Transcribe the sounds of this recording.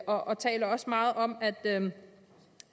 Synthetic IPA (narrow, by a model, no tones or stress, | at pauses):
ɒ̽ʔɒ̽t͡sʰɛ̰ːlɐɒ̽smɑ̈ːð̞̩ˠɒ̽mæd̥ø